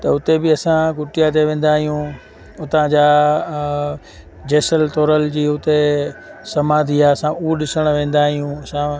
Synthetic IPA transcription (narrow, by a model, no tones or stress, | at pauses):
t̪ɐʊt̪ebɪɐsãɡʊʈɪjat̪eʋẽːn̆d̪aːɦijũ | ʊt̪ãd͡ʑaː | d͡ʑeːsəlt̪oːɾəld͡ʑiːʊt̪esɐmaːd̪ʱiaɐsãʔuɗɪsəɽ̃ʋẽːn̆d̪aːɦijũɐsã